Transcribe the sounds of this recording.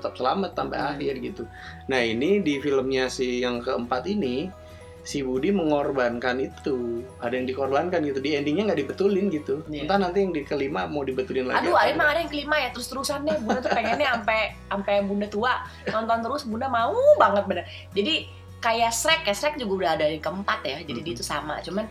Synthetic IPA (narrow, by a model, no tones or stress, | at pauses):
ət̪ap̚səlamət̪ːampa̰jahɪrɡit̪u | nahinidifiləmɲasihjaŋkəəmpat̪ini | sibudiməŋɔrbankanit̪uadajaŋdikɔrbankanɡit̪udiɛndiŋɲaŋɡaʔdibət̪ulɪnɡit̪uənt̪anant̪ijaŋdikəlimamawdibət̪ulɪnla̰adoaimaŋadajaŋkəlimajat̪əɾʊst̪əɾusanɲabudat̪upeŋɛnɲaampɛ | ampɛbundat̪ua | t̪ɔnt̪ɔant̪əɾʊsbundamaubaŋət̪̚bənər | d͡ʒadi | kajasɾɛkjasɾɛk̚d͡ʒuɡaudaɦadajaŋkəəmpat̪jad͡ʒadidit̪usama̰t͡ʃuman